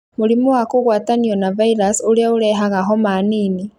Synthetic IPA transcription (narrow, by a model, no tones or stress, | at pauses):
moɾimɔwakoɣwaːtaniɔnavaiɾasoɾeaoɾɛɦaɣaɦɔmaːniːni